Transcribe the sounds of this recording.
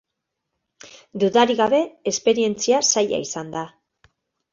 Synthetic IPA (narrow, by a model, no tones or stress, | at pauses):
d̪uðaɾiɣaβe̞espe̞ɾie̞nt͡siasaja̰isand̪a